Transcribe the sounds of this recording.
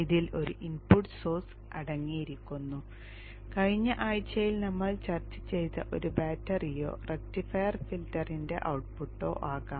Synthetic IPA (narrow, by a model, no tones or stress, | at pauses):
iðilʔo̞ɾuʔinpuʈsoːrs | ɐɽɐŋːijiɾikʲːunːu | kɐɻiɲːɐʔaːjt͡ɕːɐjilnɐmːɐɭt͡ɕɐrt͡ɕːɐ̥t͡ɕːe̞jt̪ːɐ̰ʔo̞ɾubaːtːɐrijo̞̰ːrek̚tifɐjɐrfiltːɐrinde̞̰ʔɐwʈ̚puʈːo̞̰ːʔaːɣaːm